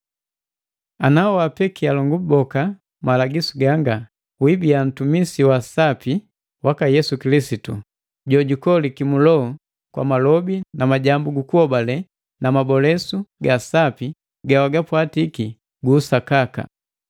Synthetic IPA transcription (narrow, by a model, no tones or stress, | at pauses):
anaɔwapɛkialɔŋɡubɔka | malaɡisuɡaŋɡa | wibian̩tumisiwasapi | wakajɛsukilisitu | ɟɔɟukɔlikimulɔɔ | kwa̰malɔbinamaɟambuɡukuhɔbalɛ | namabɔlɛsuɡasapi | ɡawaɡapwatiki | ɡuːsakaka̰